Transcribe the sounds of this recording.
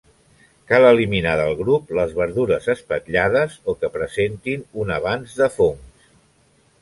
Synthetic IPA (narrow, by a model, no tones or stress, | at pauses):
kaləliminaðəlˠɣɾupləzβəɾðuɾəzəspəkʎað̞əzokəpɾəzent̪inunəβanzðəfoŋs